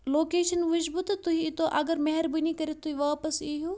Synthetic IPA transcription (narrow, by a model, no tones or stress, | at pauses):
loːkeːʃɐnʋɐd͡ʒbut̪t̪uɦiːt̪oʔɐɡɐɾmɐɦɐɾbinikɐɾet̪̚t̪ːuɦiʋaːpɐsiɦu